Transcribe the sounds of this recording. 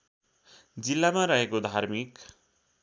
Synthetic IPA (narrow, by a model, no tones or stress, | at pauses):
d͡zilːamaɾʌɦekod̪ʱaɾmik